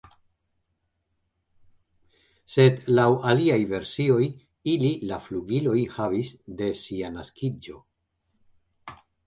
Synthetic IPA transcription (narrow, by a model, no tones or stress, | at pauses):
se̞dlawaliajve̞ɾsio̞j | ililafluɡilo̞jhavisde̞sianaskid͡ʒo̞̰